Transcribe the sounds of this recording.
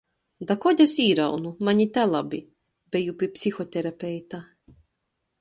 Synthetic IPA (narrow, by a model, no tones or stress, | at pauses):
d̪akɔd̪ʲasiːɾawnumaɲit̪alˠabi | bɛjupʲipʲsʲixɔt̪ʲɛɾapʲɛjt̪a